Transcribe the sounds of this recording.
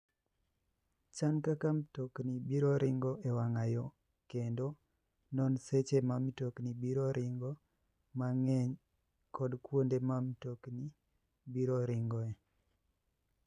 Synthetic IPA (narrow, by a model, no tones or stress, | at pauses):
t͡ʃankakamtoknibiɾɔɾɪŋɡɔʔɛwaŋajɔ | kendo | nɔnset͡ʃemamitoknibiɾɔɾʔɪŋɡɔ | maŋɛɲ | kʰɔdkwondemamtokni | biɾɔɾɪŋɡɔɛ